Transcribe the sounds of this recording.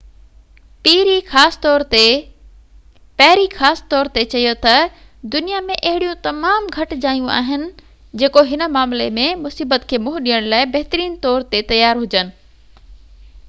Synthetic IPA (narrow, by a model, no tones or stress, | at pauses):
piːɾixaːsɪ̥t̪ɔːɾt̪e | pɐɦɪɾixaːsɪ̥t̪ɔːɾt̪et͡ɕɐjot̪ɐ | d̪ʊnijamẽʔɐɦɪɽijũt̪ɐmaːmɡʱɐʈ̆d͡ʑaːjũʔa̰ːɦɪnɪ̆ | d͡ʑeːkoɦɪnəmaːmlemẽmʊsiːbət̪kʰeːmʊɦʊɗijəɽ̃laːɪbɐɦɪt̪ɾiːnt̪ɔːɾt̪et̪ɐjaːɾɦʊd͡ʑənɪ̆